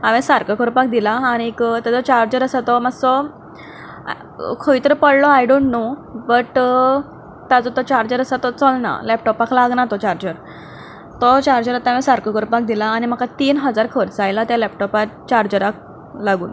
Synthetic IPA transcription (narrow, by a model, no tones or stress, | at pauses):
aʋesaɾkəkɔɾpak̚d̪ilaːɽ̃ikt̪ad͡zɔt͡ɕaɾd͡ʑəɾəsat̪ɔmaɡsɔ | kʰoit̪əɾəpəɽlɔajɖoɳʈnobəʈ | t̪ad͡zɔt̪ɔt͡ɕaɾd͡ʑəɾəsat̪ɔt͡səlna̰lɛp̚ʈɔpaklaɡnat̪ɔt͡ɕaɾd͡ʑəɾ | t̪ɔt͡ɕaɾd͡ʑəɾət̪aaʋẽsaɾkəkoɾpak̚d̪ilaːñim̤əkʰat̪iːnɦəd͡zaɾkʰəɾt͡sajlat̪jalɛpʈɔpat̪̚t͡ɕaɾd͡ʑəɾak̚ | laɡuːn